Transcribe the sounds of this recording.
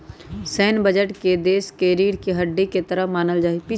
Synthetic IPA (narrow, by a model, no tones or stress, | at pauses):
sɛːnbəd͡ʒəʈked̪eːskeɾiːɾkeɦɐɖːeket̪əɾəɦmaːnəld͡ʒaːipi